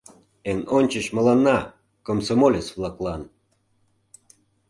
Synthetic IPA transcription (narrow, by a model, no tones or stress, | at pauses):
enonʲt͡ɕəɕmɤ̆lɑnːɑ | komsomolʲet͡sβlˠɑklɑn